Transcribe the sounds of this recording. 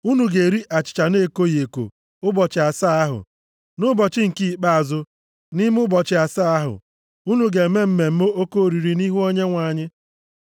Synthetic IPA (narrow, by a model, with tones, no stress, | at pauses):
u˦nu˨ɡe˨ɾi˦ʔa˨t͡ʃɪ̥˨t͡ʃa˨ne˦˨ko˦je˨ko̰˨ | ʊ˦bɔ˨t͡ʃɪ˨a˨sa˦a˦ɦʊ̰˨ | nʊ˦bɔ˨t͡ʃɪ˦ŋ̩˨ki˦i˨k͡pa˦a˨zʊ˦ | ni˦m˦ʊ˦bɔ˨t͡ʃɪ˦a˨sa˦a˦ɦʊ̰˨ | u˦nu˨ɡe˨me˦m̩˦me˨m̩˦mo˦o˦ko˦˨ɾi˨ɾi˨ni˦ɦu˦o˦ɲe˦ŋʷa˨ɲɪ˦